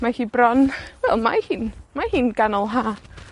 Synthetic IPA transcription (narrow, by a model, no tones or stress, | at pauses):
makibɾɔnlɛmajhinmajhinkanawɦa